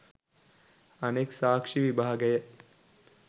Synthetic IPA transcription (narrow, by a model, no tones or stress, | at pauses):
aneksaːkʂiʋibaːaɡəjə